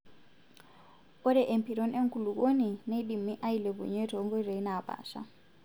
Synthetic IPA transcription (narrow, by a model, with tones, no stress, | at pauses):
ɔ˦ɾɛ˦ʔe˨mpʰi˨ɾɔ˦nʔe˦ŋ̩˦kʰu˨lu˨k̬ʼo˦ni˨ne˦i˦ɗi˨mi˦ʔa˦i˨le˨βṵ˨ɲɛ˦tʰɔ˨˦ŋɡɔ˦re˨i˦na˨pa̰ː˨ʃa̰˦